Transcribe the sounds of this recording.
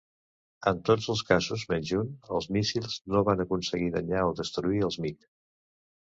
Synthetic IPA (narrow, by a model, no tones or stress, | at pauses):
ənt̪od͡zəlˠskazuzmenʲd͡ʒunəlˠzmisilˠznoβanəkunsəɣiðəɲaoðəst̪ɾuiəlˠzmik